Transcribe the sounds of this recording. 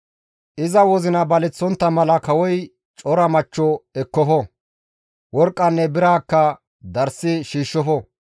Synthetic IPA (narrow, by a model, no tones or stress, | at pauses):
ʔɪzɐwɔzɪnɐbɐlɛt͡sːɔnt̪ːɐmɐlɐkɐwɔj | t͡ʃʼɔɾɐmɐt͡ʃːɔɛkːɔfɔ | wɔɾkʼːɐnːɛbɪɾaːkːɐ | d̪ɐɾsːɪʃiːʃːɔfɔ